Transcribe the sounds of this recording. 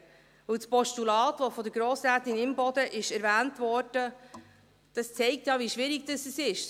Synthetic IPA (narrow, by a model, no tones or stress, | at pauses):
vɵwspɔʃtulɑːtʋofɔd̪əɾɡ̥ɾoːsɾæːtɪnɪmbɔd̥̪əʔɪʃɛɾvæːntvɔrd̥ə | d̥ɑst͡sɛɪk̚t̪jɑviʃʋɪɾɪɡ̚d̥əsəsɪʃ